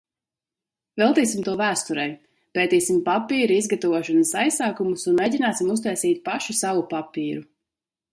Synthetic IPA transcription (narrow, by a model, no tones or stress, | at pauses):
vɛlˠt̪iːsimt̪uɔvæːst̪uɾɛj | pɛːt̪iːsimpapiːɾiizɡat̪avuɔʃanasajsaːkumusunmejɟʲinaːsimust̪ajsiːt̪̚paʃusavupapiːɾu